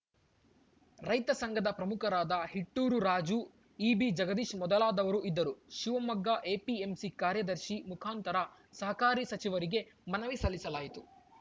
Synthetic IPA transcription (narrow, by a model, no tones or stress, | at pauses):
ɾɐjt̪ɐsɐŋɡɐd̪ɐpɾɐmukʰɐɾaːd̪ɐhiʈːuːɾuɾaːd͡ʒu | iːbid͡ʒɐɡɐd̪iːʃmɔd̪ɐlaːd̪ɐʋɐɾuʔid̪ːɐɾuʃiʋɐmɐɡːaʔeːpiemsikaːɾjɐd̪ɐɾʃimukʰaːnt̪ɐɾɐ | sɐɦɐkaːɾisɐt͡ʃiʋɐɾiɡe̞mɐnɐʋisɐlːisɐlaːjit̪u̥